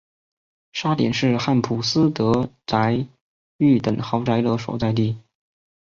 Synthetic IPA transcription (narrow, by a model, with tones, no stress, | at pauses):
ʂa˥t̪jɛ̰˨˩nʂɻ̩˥˧xa˥˩npʰu˨˩sɹ̩˥t̪ɤ˧˥t͡sa˧˥ɪ | y˥˩t̪ə˨˩ŋxɑ˧˥ʊʈ͡ʂa˧˥ɪd̪ɤ˧˥ʂo˨˩ʊt͡sa˥˧ɪt̪̬i˥˩